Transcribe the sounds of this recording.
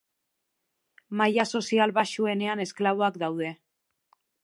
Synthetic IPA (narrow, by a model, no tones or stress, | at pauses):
majaso̞sialβaʃue̞ne̞ane̞sklaβo̞akd̪awðe̞